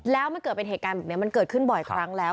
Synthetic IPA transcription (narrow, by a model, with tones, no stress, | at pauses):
lɛː˦˥wma˧nkɤː˨˩t̪̚pe˧nheː˨˩t̚kaː˧nbɛː˨˩ni˦˥ɐma˧nkɤː˨˩t̪̚kʰɯ˥˩nbɔ˨˩jkʰɾa˦˥ŋlɛː˦˥w